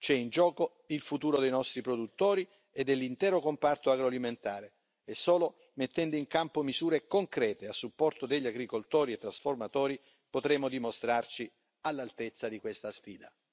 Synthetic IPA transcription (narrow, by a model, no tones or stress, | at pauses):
t͡ʃɛind͡ʒɔːko | ilfut̪uːɾod̪ejnɔst̪ɾipɾod̪ut̪ːoːɾi | ed̪elːint̪ɛːɾokompart̪oaɡɾoaliment̪aːɾe | esːɔːlo | met̪ːɛnd̪oiŋkampomizuːɾekoŋkɾɛːt̪easːupːɔrt̪od̪eʎːaɡɾikolt̪oːɾiet̪ːɾasformat̪ɔːɾi | pot̪ɾeːmod̪imost̪ɾart͡ʃi | alːalt̪et̪sːad̪ikwest̪asfiːd̪a